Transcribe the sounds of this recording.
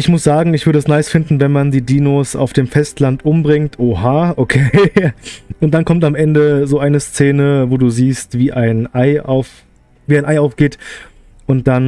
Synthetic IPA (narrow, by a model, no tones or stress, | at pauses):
ʔɪçmʊsz̥aːɡŋ̩ɪçvʏɐdəɛsnaɪsfɪndn̩vɛnmandiːdiːnoːsa̰ʊfd̥eːmfɛstlantʔʊmbʁɪŋtʰʔohaːʔokʰeː | ʔʊnt̚d̥ankʰɔmtamʔɛndəzoːʔaɪnəst͡seːnəvoːduːziːstv̥iːʔaɪnʔaɪa̰ʊf | viːaɪnʔaɪʔaʊfɡ̥eːt | ʔʊnt̚d̥an